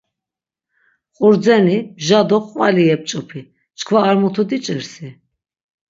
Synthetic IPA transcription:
χʼuɾd͡zɛnibʒad̪ɔqʼvaliɛp̚t͡ʃʼupʰi | t͡ʃkʰvaːɾmɔt̪ʰud̪it͡ʃʼəɾsi

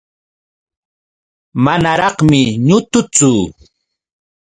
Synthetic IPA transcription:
manaɾɑχmɪɲʊt̪ʊt͡sʊ

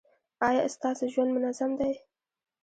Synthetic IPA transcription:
ɑjɑst̪ɑsoʒwand̪mʊnazamd̪aj

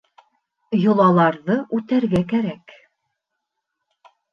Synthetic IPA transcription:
jŏlˠɑlˠɑɾðɤʔʉt̪æɾɡækæɾæk

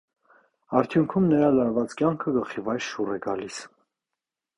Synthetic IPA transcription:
ɑɾt̪ʰjuŋkʰumnəɾɑlɑɾvɑt͡skjɑŋkʰəɡəχivɑjɾʃurɛɡɑlis

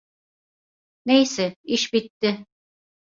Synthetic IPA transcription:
nejsɛiʃbit̪ːɪ

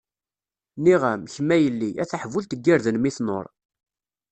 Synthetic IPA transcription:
niʁæmçəmːæjəlːiʔæθaħvult̪əɡːiɾðənmiθno̰ɾˤ

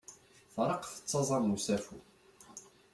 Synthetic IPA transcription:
fɾˤɑqfə̥t͡sːɑzˤɑɾˤmusæfu

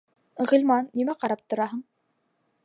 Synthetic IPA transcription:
ʁɤ̆lʲmɑnːimæqɑɾɑp̚t̪ŏɾɑɦɤɴ

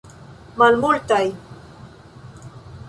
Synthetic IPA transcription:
malmuɾt̪aj

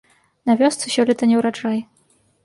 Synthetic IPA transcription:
navʲɔst̪sɨɕʲɔlʲɛt̪ɐnʲɛwɾat͡ʂajɛ

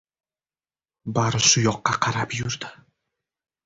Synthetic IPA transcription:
baɾɪsʊjɒqːɑqʰɑɾapjʊɾd̪ɪ

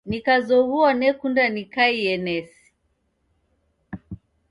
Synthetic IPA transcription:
nikazɔɣuanɛkundanikaiɛnɛsi̥

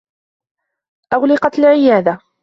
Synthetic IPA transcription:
ʔaɣlɪqɑt̪alʕɪjaːd̪a

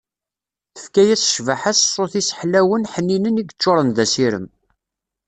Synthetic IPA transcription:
θə̥fkæjæt͡sə̥ʃvaħassˤːoθisə̥ħlæwənħənːinəniɡt͡ʃːoɾˤənðæsiɾə̰m

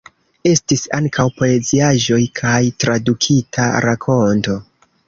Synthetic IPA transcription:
e̞stisaŋkʰawpo̞led͡ziaʒo̞jkʰajtɾadukʰitʰaɾakʰo̞nto̞

